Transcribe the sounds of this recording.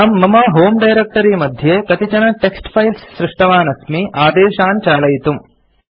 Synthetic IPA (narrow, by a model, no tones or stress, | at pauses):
amːɐmɐɦoːmɖɐjɾek̚ʈɐɾiːmɐd̪ʱjeːkɐt̪it͡ʃɐnɐʈeksʈpʰɐjlsːɾɪʂʈɐʋaːnɐsmiʔaːd̪eːʃaːnt͡ʃaːlɐjit̪um